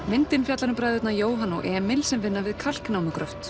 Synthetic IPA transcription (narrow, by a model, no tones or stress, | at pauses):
mɪnt̪ɪnfjat̪laɾnʏmpɾajðʏt̪najoːwɦanːɔ̰ʔɛːmɪlsɛmvɪnːavɪðkʰal̥knawmʏkɾœft̪